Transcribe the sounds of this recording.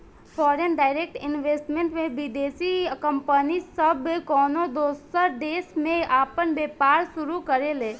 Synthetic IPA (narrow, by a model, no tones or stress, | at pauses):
fʰɔːɾenɖaːɪɾeːk̚ʈɪnʋeːsʈmẽɳʈmẽbid̪eːsikə̃mpənisəbekɔːnod̪oːstəɾɖeːsmẽaːpənbeːpaːɾsʊɾukəɾeleː